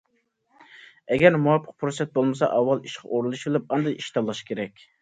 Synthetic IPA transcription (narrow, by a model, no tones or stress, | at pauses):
ɛɡʲɛɾmuɑpʰːə̥q̚pʰɾosɛt̪̚bolˠmɨsɑ̰ʔɑwːɑlˠiʃqʰɑ̰ʔoɾulˠuʃbɪlˠɪp̚ɑnd̪ɑjiʃt̪ʰɑlˠːɑʃkʲʰeɾɛkʲ